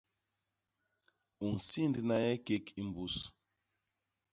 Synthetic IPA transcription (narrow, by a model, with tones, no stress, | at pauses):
u˨n̩˨si˦˨ndi˨na˦jɛ˦ke˦ki˦m̩˨bu˦s